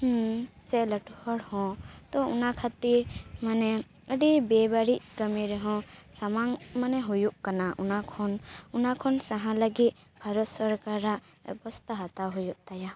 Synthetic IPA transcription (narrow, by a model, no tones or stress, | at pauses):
hut͡ʃɛləʈʰuhɔɽhɔ̃t̪ɔunakʰat̪iɾmanɛ | əɖibɛbaɾiʔ̪̚ɡəmiɾɛɦɔ̃samaŋmanɛɦujuʔkanaʔunakʰɔnunakʰɔnsaɦãləɡit̪̚ | bʱaɾɔt̪̚sɔɾkaɾaʔ | ɛ̰bɔst̪ʰaɦat̪aɦujuʔt̪aja